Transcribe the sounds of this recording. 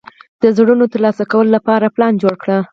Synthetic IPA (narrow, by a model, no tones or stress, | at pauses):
d̪̥əzɽunot̪əɾlɑsakawəlolapɑɾaplɑnd͡ʒoɽkɽə